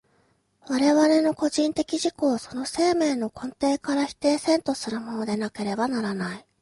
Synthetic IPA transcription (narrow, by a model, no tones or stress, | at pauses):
βaɾe̞βaɾe̞no̞ko̞ʑĩnt̪e̞kʲiʑiko̞ːso̞no̞se̞ːme̞ːno̞kõ̞nt̪e̞ːkaɾaçi̥t̪e̞ːsẽ̞nt̪o̞sɨɾɯmonod̪e̞nake̞ɾe̞banaɾanai